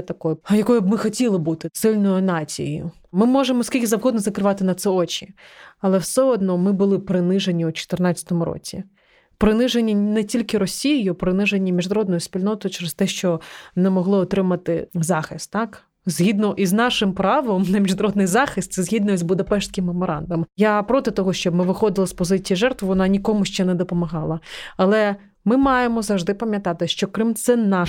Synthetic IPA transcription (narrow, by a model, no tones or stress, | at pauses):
ɛt̪ɐkɔjʊjɐkɔjʊb̚mɪxɔtʲilˠɪbut̪ɪsɪlʲnɔjʊnɑt͡sʲḭjjʊ̰ | mɪmɔʒemɔsʲkʲilʲkʲɪzɐwɦɔd̪nɔzɐkɾɪʋɑt̪ɪnɐt̪sɛɔt͡ʃʲiɐlˠɛwsɛɔd̪nɔmɪbʊlˠɪpɾɪnɪʒenʲiut͡ʃɔ̥t̪ɪrnɑt͡sʲt͡sʲɐ̥t̪ɔmʊɾɔ̰t͡sʲi | pɾɪnɪʒenʲːinɛtʲilʲkɪɾɔsʲijɪjʊpɾɪnɪʒenʲːimʲiʒnɐɾɔd̪nɔjʊspʲilʲnɔt̪ɔjʊt͡ʃeɾest̪ɛʃt͡ʃɔnɛmɔɦlˠɪɔt̪ɾɪmɐt̪ɪzɑxɪst̪tːɑk | zʲɦʲid̪nɔʔiznɑʃɪmpɾɑʋɔmnɐmʲiʒnɐɾɔd̪nɪjzɑxɪst̪sɛzɦʲid̪nɔzbʊd̪ɐpɛʃt̪ʲkɪmːemɔɾɑ̰nd̪ɐmjapɾɔt̪ɪt̪ɔɦɔʃt͡ʃɔbmɪʋɪxɔd̪ɪlˠɐspɔzɪt͡sʲijiʒɛrt̪ʋɪʋɔnɑnʲikɔmʊʃt͡ʃɛnɛd̪ɔpɔmɐɦɑlˠɐɐlˠɛ | mɪmɑjemɔzɐwʐʒd̪ɪpɐmʲjɐt̪ɑt̪ɪʃt͡ʃɔkɾɪmt̪sɛnɑ